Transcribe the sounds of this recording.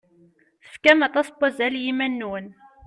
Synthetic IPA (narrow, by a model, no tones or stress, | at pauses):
θəfkæmɑt̪ˤɑsbæzæljimænːun